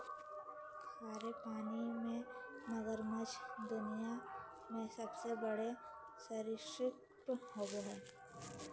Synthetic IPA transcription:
saːɾepaːnimẽnəɡəɾməd͡ʒd̪ʊnija | mẽsɐbsebəɽe | səɾɪʃɾɪk | təɦoːɡeɦɛː

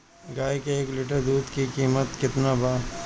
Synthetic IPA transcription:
ɡaːjkeeːklɪʈəɾd̪uːd̪kikiːmət̪kɪt̪nabaː

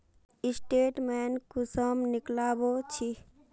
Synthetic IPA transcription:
ɪsʈeːʈmeːnkusəmnɪklaːbot͡ʃʰi

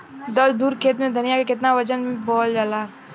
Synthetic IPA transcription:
d̪ɐld̪uːɾkʰeːt̪mẽd̪ʱɐnijakekɪt̪naʋɐd͡ʒənmẽbɔːld͡ʒalaː

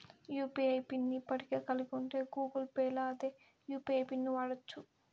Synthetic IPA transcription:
juːpiɐjpinːipːɐɽikeːkɐluɡuɳʈeːɡuːɡɐlpeːlaːd̪eː | juːpiɐjpinːuʋaːɽɐt͡ʃːu

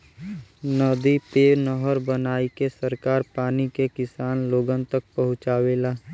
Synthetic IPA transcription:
nəd̪ipeːnəɦəɾbənaːikesəɾkaːɾpaːnikekɪsaːnloːɡənt̪ək̚pɐɦʊ̃t͡ʃaːweːlaː

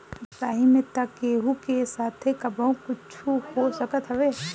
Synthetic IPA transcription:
taːɦimẽt̪akeːɦukesaːt̪ʰekɐboõkʊt͡ʃʰuhosəkət̪ɦɛʋeː

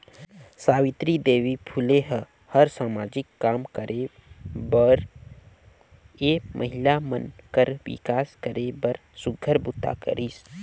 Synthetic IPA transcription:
saːwɪt̪ɾid̪eːwipʰʊleɦə | həɾsaːmaːd͡ʒɪkːaːmkəɾʔe | bəɾ | eːmʔəɦɪlamənkəɾwɪ̰kaːskəɾʔebəɾ | sʊɡʱəɾbʊt̪a̰kə̰ɾʔis

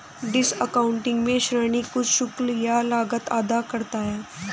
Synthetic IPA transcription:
ɖɪsəkaːʊ̃ɳʈɪ̃ŋɡmẽʃɾəːnikʊt͡ʃʰʃʊkljalaːɡət̪aːd̪akəɾt̪aɦɛː

